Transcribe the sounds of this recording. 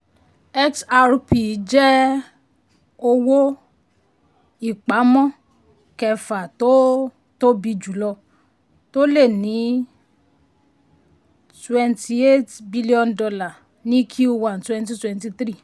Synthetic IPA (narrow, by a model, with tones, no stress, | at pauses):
ɛ˦ksa˧ɾpi˨˦d͡ʒɛ˦ | o˧wo˦ | i˦˨k͡pa˨˦mɔ̃˦ | kɛ˧fa˨to˦ | to˦bi˧d͡ʒu˨˦lɔ˧ | to˦le˦˨nĩ˨˦ | twɛ̃˧ntʰi˧e˦tbi˦li˦ɔ̃˧ndɔ˧la˨ | nĩ˦kʰiu˦u˦wã˦˨n˨twɛ̃˧nt̬i˧twɛ̃˧nti˧t̪ɾi˦˨